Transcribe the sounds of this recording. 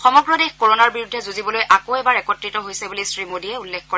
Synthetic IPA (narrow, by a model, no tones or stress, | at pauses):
xɔmɔɡɹɔdexkoɹonaɹbiɹudʱːɛzuzibɔlojʔakoɛbaɹɛkɔtɹitɔɦojsɛbulisɹimodiɛulːɛkkɔɹɛ